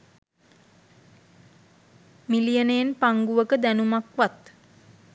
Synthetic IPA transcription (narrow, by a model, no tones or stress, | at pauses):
milijənejenpaŋɡuʋəkəd̪ænumakʋat̪